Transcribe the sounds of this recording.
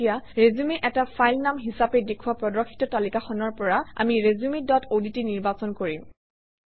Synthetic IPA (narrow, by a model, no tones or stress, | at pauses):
ijaɹezumeʔɛtapʰajlnamɦisapɛdekʰuwapɹɔdɔkʰːi̥tɔtalikaxɔnɔɹpɔɹaa̰miɹezumedɔtʰoditiniɹbasɔnkoɹim